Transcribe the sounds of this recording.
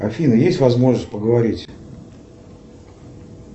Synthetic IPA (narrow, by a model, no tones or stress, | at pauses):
ɐfʲinəjesʲtʲvɐzmo̞ʐnəst̚ʲpəɡəvɐɾʲitʲ